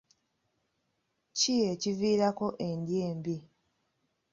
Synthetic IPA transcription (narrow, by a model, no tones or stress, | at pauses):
cije̞civiːɾako̞ʔe̞ndje̞ːmbi